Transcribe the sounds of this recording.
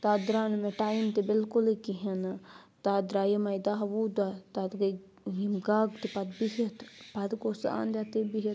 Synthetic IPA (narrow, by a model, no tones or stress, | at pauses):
t̪aːd̪ɾaːnmeʈaːjimt̪ebɪlkʊlikiɦɐn | t̪aːd̪ɾaːjɐmɐjd̪aɦɐʋud̪at̪ad̪ɡɐ | ɦimɡaːɡt̪ipɐd̪̚biɦit̪pɐd̪kosa̰ːnd̪at̪ebiɦi